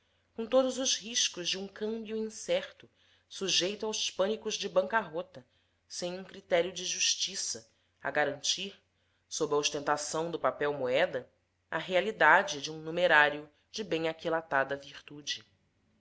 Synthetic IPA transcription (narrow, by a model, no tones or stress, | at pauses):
kõt̪od̪ʊzʊzhiʃkʊzd͡ʒɪũŋkɐ̃mbjʊĩsɛχt̪ʊ | suʒejt̪ʊawspɐ̃nikʊʒd͡ʒɪbɐ̃ŋkɐɦɔt̪ɐ | sẽj̃ũŋkɾit̪ɛɾiʊd͡ʒɪʒuʃt͡ʃisɐ | ɐ̰ɡaɾɐ̃nt͡ʃiɾ | sobɾɐoʃt̪ẽnt̪asɐ̃w̃d̪ʊpapɛwmoɛd̪ɐ | ɐɦealid̪ad͡ʒɪd͡ʒɪũnumeɾaɾjʊ | d͡ʒɪbẽj̃akilat̪ad̪ɐviɾt̪ud͡ʒɪ